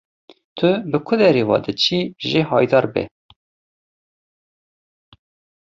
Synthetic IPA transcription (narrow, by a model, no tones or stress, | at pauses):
t̪ʰʊbɨkʰʊd̪ɛɾeːwɑ̰ːd̪ɨt͡ʃʰiːʒeːɦɑːjd̪ɑːɾbɛ̰